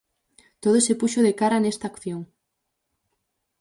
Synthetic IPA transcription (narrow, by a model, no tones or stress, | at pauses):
t̪oð̞osepuʃoðekaɾanest̪aːkθjoŋ